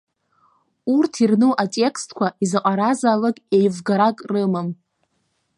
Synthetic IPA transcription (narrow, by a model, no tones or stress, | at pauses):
urtʰirnuʔatʼe̞kstʰkʷʰaizaqʼaɾazaːlakʼejvɡaɾakʼrɨmam